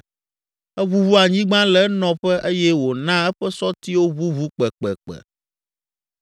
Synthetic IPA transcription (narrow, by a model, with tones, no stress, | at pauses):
ɛ˦βu˦βu˦a˨ɲĩ˦ɡ͡bã˦lɛ˨nɔ̃˨ɸɛ˦ʔe˦jɛ˦wo˨nã˦ɛ˦ɸɛ˦sɔ˦t̪i˦wo˦βu˦vu˦k͡pɛ˨k͡pɛ̰˨k͡pɛ̰˨